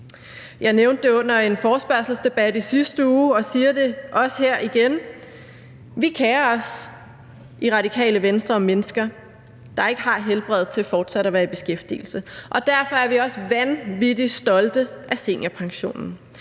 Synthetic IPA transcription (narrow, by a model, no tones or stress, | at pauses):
jɑ̈ɪneʊnd̥ːe̝ɔ̽n̰ɐe̝nfɒːsb̥ɶɐsl̩sd̥e̝b̥æd̥isisd̥əuːɒ̽siːɐd̥e̝ʔɒ̽sheɐ̰ʔiɡ̥en | ʋikʰɛːɐɒ̽s | ʔiʁɑ̈ɾikʰɛ̰ːləʋensd̥ʁɐɒ̽menəsɡ̥ɐ | d̥ɑ̈e̝ɡ̥əɦɑ̈ɦelb̥ʁɛð̰ˠt͡sʰe̝lfɒːd̥sæɾ̥ɒʋæːɐib̥e̝sɡ̥efd̥ḭːl̩səʔɒ̽d̥æɐfɒ̽æɐʋiɒ̽sʋænʋid̥isd̥ɒ̽ld̥əʔæse̝̰njæpʰɑ̈ŋɕo̝̰ːnn̩